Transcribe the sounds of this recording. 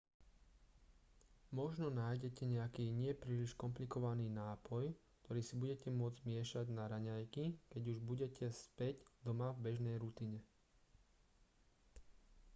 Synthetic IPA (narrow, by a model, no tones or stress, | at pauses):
mɔʒnɔnaːjɟɛcɛɲɛakiːɲɪɛpɾiːliʃkɔmplikɔʋaniːnaːpɔjkt̪ɔɾiːsibuɟɛcɛmʊɔd͡zmɪɛʃaɟnaɾaɲajkikɛɟuʒbuɟɛcʰɛspɛɟd̪ɔmavbɛʒnɛjɾut̪iɲɛ